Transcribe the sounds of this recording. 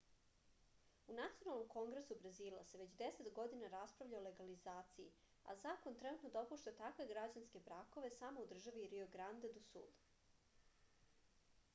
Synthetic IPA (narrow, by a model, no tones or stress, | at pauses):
unat̪sijonalno̞mko̞ŋɡɾesubɾazilˠa̰seʋe̞t͡ɕd̪eset̪ɡo̞d̪inaɾaspɾavʎaole̞ɡalizaːt̪siḭ | a̰zaːko̞nt̪ɾɛnut̪no̞d̪aopuʃt̪at̪akʋeɡɾad͡ʑanske̞bɾako̞ʋe̞samo̞ud̪r̩ʒaʋiɾioɡɾand̪ed̪usṵl